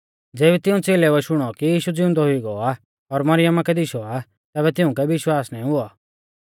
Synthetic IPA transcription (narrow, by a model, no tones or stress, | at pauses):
d͡zeːβit̪ɪũt͡seːlɛʊɛʃʊɽ̃ɔkijiːʃud͡zɪʊ̃nd̪ɔɦʊiɡɔa | ɔɾmɐɾɪjəmakɛd̪ɪʃɔa | t̪ɛːbɛt̪ɪʊ̃kɛʋɪʃwaːsnɛ̃ːĩɦʊɔ